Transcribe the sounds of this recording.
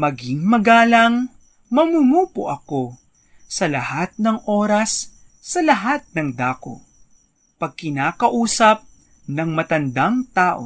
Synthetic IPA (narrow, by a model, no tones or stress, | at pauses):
mɐɡɪŋmɐɡaːlɐŋ | mɐmumuːpoʔɐko | sɐlɐhat̪̚nɐŋʔoːɾɐsː | ɐlɐɦat̪̚nɐŋd̪aːko̰ | pɐɡ̚kɪnaːkɐʔuːsɐp̚ | nɐŋmɐt̪ɐnd̪ɐŋt̪aːʔo̰